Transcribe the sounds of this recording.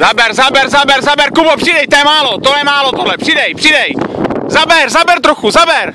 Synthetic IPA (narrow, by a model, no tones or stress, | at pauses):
zabɛɾzabɛɾzabɛɾzabɛɾkubopr̝̥idɛjt̪ɛjɛmaːlot̪odlɛmaːlot̪odlɛpr̥idɛjpr̝̥ɪdɛjzabɛɾzabɛɾt̪ɾoxuzabɛɾ